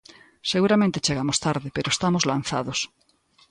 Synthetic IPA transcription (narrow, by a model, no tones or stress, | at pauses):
seɣuɾamẽnt̪et͡ʃeɣ̞amost̪aɾðepeɾoest̪amozlan̟θa̰ðos